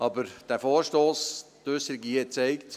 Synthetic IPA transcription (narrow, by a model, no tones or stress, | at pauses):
ɑbəɾd̥æːfoːɾʃtoːstøsəɾɪɡit͡sɛɪkt